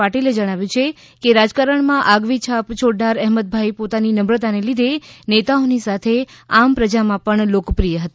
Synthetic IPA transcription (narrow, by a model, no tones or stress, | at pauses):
aʈiled͡ʒəɽ̃aʋjũt͡ʃʰe | keɾad͡ʒkaɾəɳmãʔaɡʋit͡ʃʰapt͡ʃʰoɽɖaɾɛɦmət̪̚bʱajpot̪aninəmɾət̪anelid̪ʱenet̪aonisat̪ʰe | ampɾəd͡ʒamãpəɳlokpɾijəɦət̪a